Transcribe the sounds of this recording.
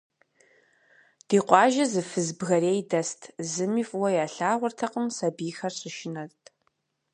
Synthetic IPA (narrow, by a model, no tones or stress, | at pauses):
d̥iːqʷɑːʒɐzɨfɨzbɣɐɾeːjdɐstʰzɨmiːfʼwɐjaːɬaːʁʷʊrtʰɐqəmsɐbiːxɐrɕʼɪʃɪnɐtʰʼ